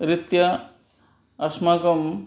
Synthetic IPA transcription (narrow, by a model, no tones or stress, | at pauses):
ɾit̪jɐ | ɐsmaːkɐm